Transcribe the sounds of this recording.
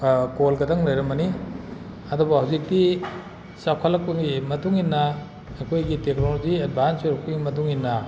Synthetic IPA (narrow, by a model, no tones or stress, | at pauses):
kolɡɐdɐŋlɐjɾɐmbɐni | ɐdubɐhawzik̚ti | sakʰɐlːɐk̚pɐŋɡimɐtuŋinːɐ | ɐkʰojɡitek̚noloziad̚bʱansuɾɐk̚ʰɐŋɡimɐt̬uŋinːɐ